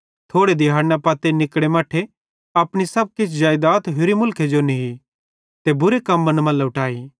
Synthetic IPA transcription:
t̪ʰoːɽed̪ɪɦaːɾnapaːt̪enɪkɽemaːʈʰe | ɐpɽ̃isɐb̚kɪt͡ʃʰd͡ʒaːjd̪aːt̪ɦʊɾimʊlkʰed͡ʒoniɦi | t̪ebʊɾekɐmːɐnmɐ̃lʊʈʰaːiː

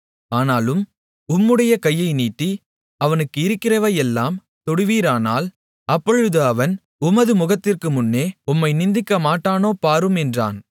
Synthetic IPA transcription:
aːnaːlɯm | ʊmːɯɽɐjɐkɐjːɐɪniːʈːi | ɐʋɐnɯkːɯɪɾɯkːɪrɐʋɐjɛlːaːm | t̪ɔɽɯʋiːɾaːnaːl | ɐpːɔɻɯðɯɐʋɐn | ʊmɐðɯmʊɣɐt̪ːɪrkɯmʊnːeːʊmːɐɪnɪnd̪ɪkːɐmaːʈːaːnoːpaːɾɯmɛndra̰ːn

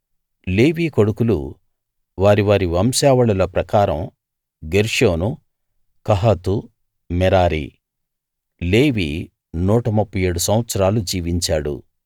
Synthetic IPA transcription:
leːʋiːkoɽukulṵ | ʋaːɾiʋaːɾiʋɐmsaːʋɐɭɐlɐpɾɐkaːɾɐm | ɡeɾʂoːnu | kɐɦat̪u | mɛɾaːɾḭ | leːʋḭː | nuːʈɐmupʰːɐjeːɽusɐmʋɐt̪sɐɾaːlud͡ʒiːʋiɲt͡ʃaːɽṵ

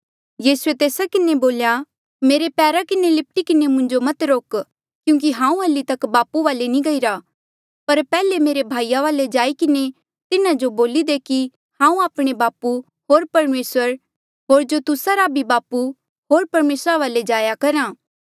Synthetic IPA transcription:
jiːsuet̪eːsakɪneboːlja | meːɾepɛːɾakɪnelɪp̚ʈikɪnemʊ̃ɲd͡ʒomɐt̪ɾoːk | kjũːk̬iɦãːũɦɐlːit̪ɐkbaːpuʋaːlenĩɡɐiɾa | pɐɾpɛːlemeːɾebʱaːijaʋaːled͡ʒaːikɪne | t̪ɪnãd͡ʒoboːlid̪eki | hãːũaːpɽ̃ebaːpu | ɦoːɾpɐɾmeːsəɾ | ɦoːɾd͡ʒot̪ʊsaɾabʱibaːpu | ɦoːɾpɐɾmeːsɾaʋaːled͡ʒaːjakɐɾaː

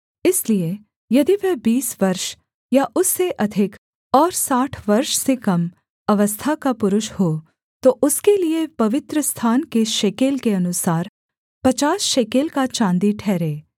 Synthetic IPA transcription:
ɪslie | jɐd̪iʋɛbiːsʋɐɾʃ | jaʔʊsːeʔɐd̪ʱɪk | ɔːɾsaːʈʰʋɐɾʃsekɐm | ɐʋəst̪ʰakapʊɾʊʃhoː | t̪oʔʊskeliepɐʋɪt̪ɾəst̪ʰaːnkeʃeːkeːlkeɐnʊsaːɾ | pɐt͡ʃaːsʃeːkeːlkat͡ʃãːnd̪iʈʰɛːɾẽː

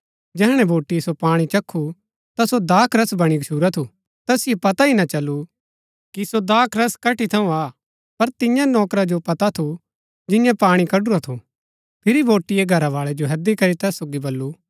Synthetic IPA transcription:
d͡ʒɛːɦɽ̃ɛ̃bʱoːʈisopaːɽ̃it͡ʃɐkʰːu | t̪asod̪aːkɾɐsbɐɽ̃iɡʃʰuːɾat̪ʰu | t̪ɛːsɪjepɐt̪ainat͡ʃɐlːu | kisod̪aːkʰɾɐskɐʈit̪ʰɐũaː | pɐɾt̪ɪjãnɔːkɾad͡ʒopɐt̪at̪ʰu | d͡ʒɪjãpaːɽ̃ikɐɖʊɾat̪ʰu | pʰɪɾibʱoːʈijeɡʱɐɾaʋaːɭed͡ʒoɦɐd̪ikɐɾit̪ɛːsoːɡibolːu

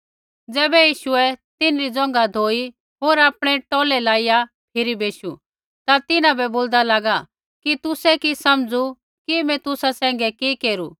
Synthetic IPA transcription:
d͡zɛːbɛjiːʃʊɛt̪ɪnɾid͡zɔ̃ŋ̆ɡad̪ʱoːi | ɦoːɾaːpɽ̃ɛʈɔːlɛlaːija | pʰɪɾibʱeːʃṵ | t̪at̪ɪnãbɛboːld̪alaːɡa | kit̪ʊsɛkisɐmd͡zu | kimɛ̃t̪ʊsasɛ̃ːŋ̆ɡɛkikeːɾuː

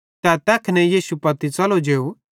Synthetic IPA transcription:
t̪ɛt̪ɛːkʰnɛjiːsupɐt̪it͡sɐlod͡ʒeːu

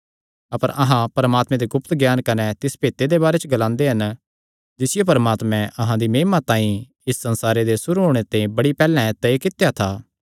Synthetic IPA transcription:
ɐpəɾʔɐɦãpɐɾɐmaːt̪mɛ̃d̪eɡʊpt̪ɡjaːnkɐnɛt̪ɪspeːt̪ed̪ebaːɾet͡ʃəɡɐlãːnd̪eɦɐn | d͡ʒɪsɪjep̬ɐɾmaːt̪mɛ̃ʔɐɦãd̪imeːmat̪ãːĩ | ɪsːɐ̃nsaːɾed̪esʊɾuɦoːɽ̃et̪ẽĩbɐɽipɛːlɛ̃t̪ɐekɪt̪ejat̪ʰaː

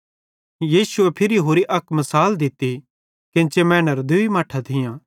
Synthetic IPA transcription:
jiːsʊɛpʰɪɾiɦoːɾiʔɐkʰmɐsaːld̪ɪt̪ːi | kɪ̃ːt͡ʃemɛ̃ːnəɾd̪uimaːʈʰat̪ʰɪjãː

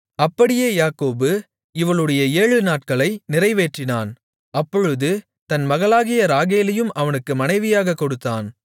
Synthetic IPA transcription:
ɐpːɐɽɪjeːjaːkoːbɯ | ɪʋɐɭɯɽɐjɐeːɻɯnaːʈ̚kɐɭɐɪnɪrɐɪʋeːʈrɪnaːn | ɐpːɔɻɯðɯ | t̪ɐnmɐɣɐɭaːɣɪjɐɾaːɣeːlɐjɯmɐʋɐnɯkːɯmɐnɐɪʋɪjaːɣɐkːɔɽɯt̪ːaːn

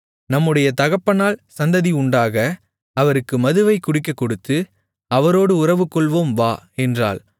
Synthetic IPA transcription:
nɐmːɯɽɐjɐt̪ɐɣɐpːɐnaːlsɐnd̪ɐðiʊɳɖaːɣɐ | ɐʋɐɾɯkːɯmɐðɯʋɐɪkʊɽɪk̬ːɐkːɔɽɯt̪ːɯ | ɐʋɐɾoːɽɯʊrɐʋɯkːɔɭʋoːmʋaːɛndra̰ːl

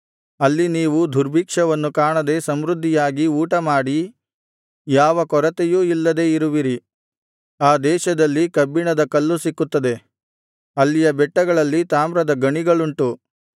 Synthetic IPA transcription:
ɐlːiniːʋud̪ʱuɾbʱiːkʂɐʋɐnːukaːɳɐd̪e̞sɐmɾud̪ʱːijaːɡiuːʈɐmaːɽi | jaːʋɐkɔɾɐt̪ejuːilːɐd̪e̞ːiɾuʋiɾi | aːd̪ɛːʃɐd̪ɐlːikɐbːiɳɐd̪ɐkɐlːusikːut̪ːɐd̪e̞ | ɐlːijɐbɛʈːɐɡɐɭɐlːit̪aːmɾɐd̪ɐɡɐɳiɡɐɭuɳʈu

